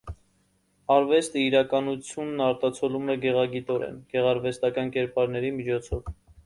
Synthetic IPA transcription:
ɑɾvɛst̪əiɾɑkɑnut͡sʰjunːɑɾt̪ɑt͡sʰɔlumɛɡɛʁɑɡit̪ɔɾɛ̰nɡ̥ɛʁɑɾvɛst̪ɑkɑnkɛɾpɑɾnɛɾimit͡ʃʰɔt͡sʰɔv

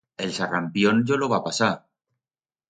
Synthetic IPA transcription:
elsarampjonʎoloβapasa

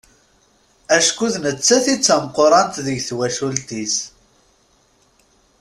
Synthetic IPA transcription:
æʃkuðnət͡sːæθit͡sːæmqːoɾˤɑnt̪ðəʝθwæʃult̪is

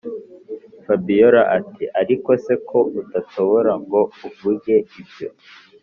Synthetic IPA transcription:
fabijoɾaʔatiʔaɾiko̞se̞kʰo̞utatoβoɾaŋɡo̞uvuɾɟe̞ibjo̞

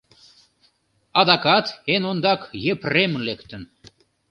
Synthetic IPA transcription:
ɑd̪ɑkɑt̪enond̪ɑkjepremlekt̪ə̆n

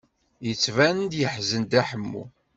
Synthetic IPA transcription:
jət͡sːvænənd̪jəħzənd̪æħəmːṵ

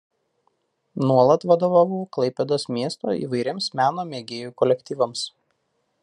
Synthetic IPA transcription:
nuɔlˠɐt̪ʋɐd̪oːʋɑːʋuklˠɐɪpʲɛd̪oːsmʲiɛst̪o̰ːḭːʋɐɪɾʲeːmsmʲæːnoːmʲeːɡʲeːjuːkɔlʲɛkʲt̪ʲiːʋɐms

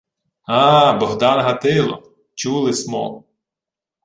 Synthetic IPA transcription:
ɑːbɔɦd̪ɑnɦɐt̪ɪlˠɔ̰ | t͡ʃulˠɪsmɔ̰

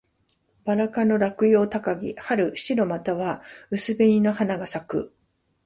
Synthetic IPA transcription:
baɾakano̞ɾakɯ̟jo̞ːt̪akaɡʲḭhaɾɯ̟ɕiɾo̞mat̪aβaɯ̟sɨbeɲʲino̞hanaɡasakɯ̟

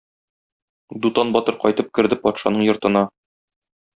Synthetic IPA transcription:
d̪ut̪ɑnbɒt̪ɤɾqɒjt̪ɤp̚kɘ̆ɾd̪ɘpɒt̪ʃɑ̰nɤɴjŏɾt̪ɤ̆nɑ

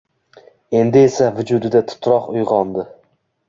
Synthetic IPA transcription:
e̞nd̪ɪesavʊd͡ʒʊd̪ɪd̪at̪ʰʊ̥t̪ʰɾɒqʊjʁɒnd̪ɪ

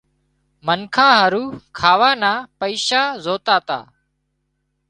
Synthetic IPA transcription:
mənkʰãːɦəɾuːkʰaːʋaːnaːpəiːʃaːzoːt̪aːt̪a̰ː

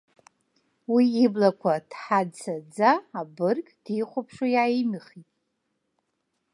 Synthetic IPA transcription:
wiːblakʷʰad̥ħadt͡sʰad͡zaːbɨrkʼd̥iχʷapʰʂajaimɨχitʼ

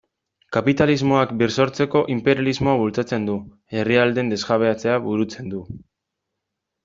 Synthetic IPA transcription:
kapit̪alizmo̞akbirso̞ɾt͡se̞ko̞ʔimpe̞ɾijalizmo̞aβult͡sat͡se̞nd̪u | e̞riald̪e̞nd̪e̞sɣaβ̞e̞at͡se̞aβuɾut͡se̞nd̪u

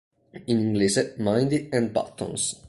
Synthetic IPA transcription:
ĩnĩŋɡlisemãj̃nd̪iɛ̃n̚ba̰t̪ʰːɔ̰̃ns

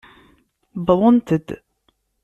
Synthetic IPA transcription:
bəðˤənt̪əd̪

